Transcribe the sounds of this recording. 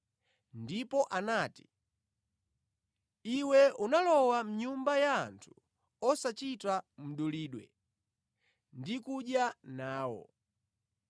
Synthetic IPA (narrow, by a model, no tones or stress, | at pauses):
ndipɔʔanaːti | iwɛunalɔwam̩ɲumbajaːntʰu̥ | ɔsat͡ʃitam̩ɗuliːɗwɛ̰ | ndikuɗjanaːwɔ̰